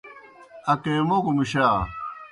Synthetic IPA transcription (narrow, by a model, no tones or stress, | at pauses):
ɐkeːmokumiɕaː